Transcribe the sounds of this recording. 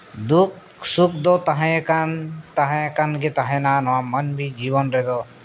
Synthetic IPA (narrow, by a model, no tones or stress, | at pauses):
d̪uk̚ | suk̚d̪ɔt̪aɦɛ̃kant̪aɦɛ̃kanɡet̪aɦɛ̃nanɔwamənbʱid͡ʒiβɔnɾɛd̪ɔ